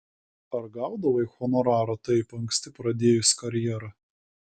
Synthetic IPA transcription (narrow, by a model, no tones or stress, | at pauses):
ɐɾɡɑˑʊd̪ɐʋɐixɔnɔɾɑːɾɐt̪ɐɪpɐŋʲksʲt̪ʲɪpɾɐd̪ʲeːjʊsʲkɐɾʲjɛːɾɐ